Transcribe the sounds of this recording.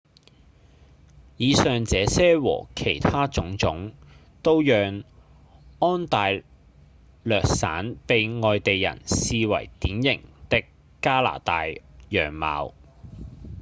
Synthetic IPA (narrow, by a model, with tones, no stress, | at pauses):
jiː˨˧sœː˨ŋt͡sɛː˨˥sɛː˥wɔ̰ː˨˩kʰe˨˩jt̪ʰaː˥t͡sʊ˨˥ŋt͡sʊ˨˥ŋ | t̪o˥wjœː˨˧ŋ | ɔː˥nt̪aː˨j | lœː˨k̚sa̰ː˨˥npe˨jŋɔː˨jt̪e˨jːɐ̰˨˩nsiː˨wɐ̰˨˩jt̪iː˨˥njɪ˨˩ŋt̪ɪ˥k | kːaː˥la̰ː˨˩t̪aː˨jjœː˨˩ŋma̰ː˨˧w